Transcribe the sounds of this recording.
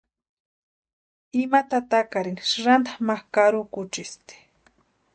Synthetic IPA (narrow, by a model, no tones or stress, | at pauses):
ɪmat̪at̪akaɾɪŋʃɾand̪ḁmaxkaɾʊkʊt͡ʃɪst̪ɪ̥